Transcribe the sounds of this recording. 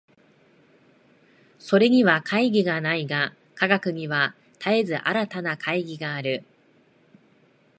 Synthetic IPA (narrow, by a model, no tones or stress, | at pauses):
so̞ɾe̞ɲ̟iβakʰaiɡʲiɡanaiɡa | kaɡakɯ̟ɲ̟iβa | t̪ʰae̞zɨʔaɾat̪anakʰaiɡʲiɡaːɾɯ̟